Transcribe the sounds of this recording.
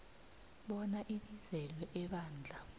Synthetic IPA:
ɓɔnaʔiɓizɛlwɛʔɛɓaːnd͡ɮʱa

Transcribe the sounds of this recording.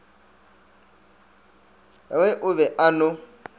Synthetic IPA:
ɛwɛʔʊβɛʔanʊ

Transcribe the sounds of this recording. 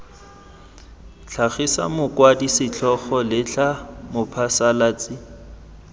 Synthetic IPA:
t͡ɬʰaχisa̰mʊkwadisɪt͡ɬʰɔχɔlɪt͡ɬamʊpʰasalat͡sʼɪ

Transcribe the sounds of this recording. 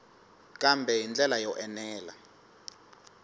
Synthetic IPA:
kʼambʱɛjind͡ɮʱɛlajɔʔɛnɛːla

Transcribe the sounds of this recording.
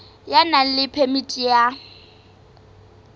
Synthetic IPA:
janan̩lɪpʰemitʼija

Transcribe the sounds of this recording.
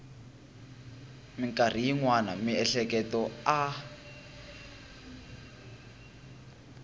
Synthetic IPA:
miŋkar̤ijiŋwana̰miɛɬɛkɛtɔa

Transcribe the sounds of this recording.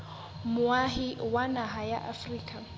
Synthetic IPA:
muaɦiwanaɦaja̰ʔafriːkʼa

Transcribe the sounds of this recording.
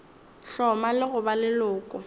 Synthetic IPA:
ɬɔmalɪɣʊbalɪlʊːkʼʊ

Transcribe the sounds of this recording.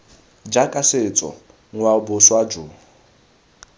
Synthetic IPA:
d͡ʒakʼasɪt͡sʼɔ̰ | ŋ̩wabʊswad͡ʒʊː

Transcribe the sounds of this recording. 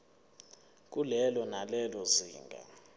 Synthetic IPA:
k̬ʼulɛlɔnalɛlɔzḭːŋɡʱa̰

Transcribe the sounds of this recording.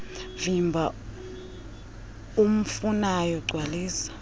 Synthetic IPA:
vimbʱa | um̩funajɔɡ͡ǀʱwaliːsḁ

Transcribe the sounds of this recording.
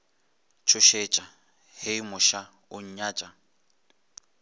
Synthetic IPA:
t͡ʃʰʊʃet͡ʃʼa | heimʊʃa | ʊɲ̩ɲaːt͡ʃʼa

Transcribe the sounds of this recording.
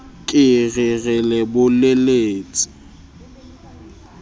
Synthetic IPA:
kʼɪɣɪɣɛlɛbʊleleːt͡sʼɪ̥

